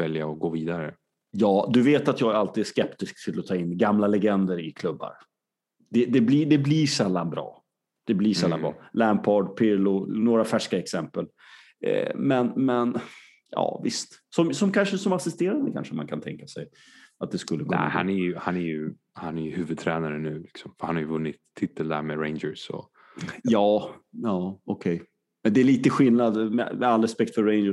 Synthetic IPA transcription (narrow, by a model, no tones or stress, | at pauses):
vɛljaɔɡoːviːd̪aɾə | jɑːd̪ɵveːt̪at̪jɑːɡalt̪iːd̪æʂkɛpt̪ɪsksɪlːɔt̪ʰɑːɪnːɡamlalɛɡɛnd̪əɾɪkʰlɵbːa̰ɾ | d̪̥ɛd̪ɛblid̪ɛbliʂɛlːanbɾɑ̰ː | d̪̥ɛbliʂɛlːambɾɑ̰ːlænpʰɑɖpʰɪɾlʊnoːɾafæʂkaɛksɛmpəl̰ | mɛnmɛn | jɑ̰ːvɪ̰st̪sɔmsɔmkʰanʂəsɔmasɪst̪eːɾand̪əkʰa̰nʂəma̰nkʰant̪ʰɛ̰ŋkasɛj | at̪̚d̪ɛskɵlːəkʰɵ̰n̰ːha̰nɛɾjɵhanɛɾjɵ | hanæjɵhʉ̟ːvɵd̪̚t̪ʰɾɛːnaɾənʉ̟ːlɪksɔmfœɾhanhaɾjəvɵnːɪt̪ʰːɪt̪ʰːəld̪æ̰ɾmeɾeɪnd͡ʒəɾsɔ̰ | jɑːjɑːɔkʰɛj | mɛnd̪ɛæɭiːt̪əɧɪlnad̪mɛ̰mɛalːɾɛspɛk̚t̪fœɾːɛɪnd͡ʒə